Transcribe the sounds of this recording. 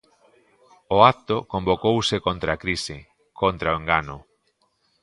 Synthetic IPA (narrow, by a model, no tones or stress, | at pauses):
oakt̪okombokowsɪkont̪ɾaːkɾisɪ | kʰont̪ɾaoeŋɡanʊ